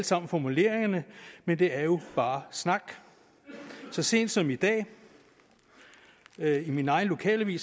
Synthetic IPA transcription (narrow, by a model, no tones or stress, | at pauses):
l̥sɑ̈m̰n̩fɒmule̝̰ːɐ̰e̝ŋɐnəmend̥e̝æɐjo̝b̥ɑ̈ːsnɑ̈ɡ̥ | sɒ̽se̝̰ːnd̥sɒ̽mid̥ɛ̰ː | iminɑ̈ɪn̩lo̝kʰɛ̰ːlʋḭːs